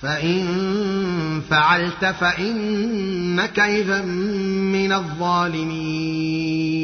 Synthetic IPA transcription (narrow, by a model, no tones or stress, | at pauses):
faʔɪn | faʕalt̪afaʔɪnː | akafamɪnaðˤːɑːlɪmiː